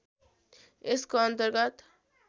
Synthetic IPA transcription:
eskoʌnt̪ʌɾɡʌt̪

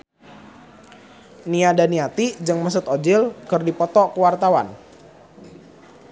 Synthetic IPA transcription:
niadaniat̪id͡ʒɨŋməs̬ʊt̪od͡ʒɪlkɨrdipɔt̪ɔkəwart̪awa̰n

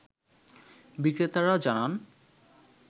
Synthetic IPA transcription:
bikɾet̪aɾad͡ʑanan

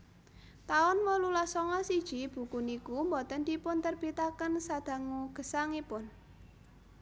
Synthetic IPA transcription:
t̪aʊnwɔlulasɔŋɔsid̥ʒ̥i̤b̥ṳkunikumbɔt̪ənd̪ipʊnt̪ərb̥it̪akənsad̪̥a̤ŋuɡ̥ə̤saŋipʊn

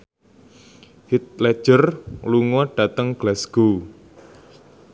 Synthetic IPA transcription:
hit̪̚lɛ̥ʒ̥ərluŋɔɖ̥ä̤t̪əŋɡ̥lasɡ̥o

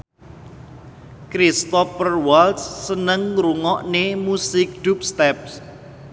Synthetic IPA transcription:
kɾist̪ɔfərwalt̪sːənəŋɾuŋɔʔnemusɪk̚d̪̥up̚st̪ɛp̚s

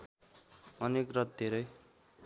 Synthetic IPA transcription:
ʌnekrʌt̪̚d̪ʱeɾʌj

